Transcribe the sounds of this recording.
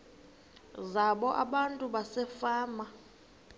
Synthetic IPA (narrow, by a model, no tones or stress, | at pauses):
zaɓɔʔaɓantʼuɓasɛfaːma